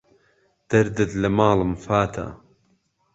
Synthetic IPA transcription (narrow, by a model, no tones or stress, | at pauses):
d̪̥ɐɾd̪ɨt̪lɐmaːlɨmfaːt̪ʰa̰